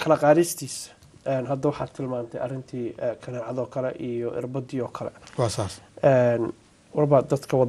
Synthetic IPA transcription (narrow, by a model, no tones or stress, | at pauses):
kʰɐlɐqɑːðɪst̪ʰiːs | ʔɛːnɦɐd̪ɐwɑħɑ̰ːt̪ʰɪlmaːnt̪ʰɛjʔɐ̰rɪnt̪ʰiːkʰɐnɛːʕɑðɔːkʰɐlɛ̰ʔijɔʔɪ̰rbɐd̪iɔːkʰɐlɛ̰wɑːsaːsɛːn | wɑrbɐd̪ɐd̪kʰɐwɑ